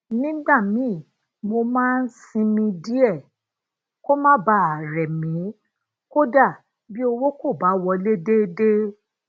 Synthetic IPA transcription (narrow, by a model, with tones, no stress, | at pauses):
nĩ˦ɡ͡ba˦˨mĩ˨˦˨ | mo˧mãː˦n̩˦sĩ˧mĩ˧di˦ɛ˦˨ | ko˦mã˦ba˧˦a˨ɾɛ˨mĩ˨˦ | ko˦da˦˨ | bi˦o˧wo˦ko˦˨ba˨˦wɔ˧le˦de˦de˦